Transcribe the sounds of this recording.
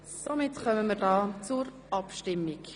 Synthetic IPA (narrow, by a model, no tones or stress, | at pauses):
somɪtχœməməɾdɑːt͡suɾ | ʔɑpʃtɪmːik